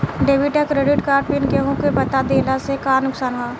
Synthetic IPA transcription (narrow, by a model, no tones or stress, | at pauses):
ɖeːʋɪʈekɾeɖɪʈkaːɾʈbɪnkeɦõkebɐt̪ad̪eːlasekaːnʊksaːnɦaː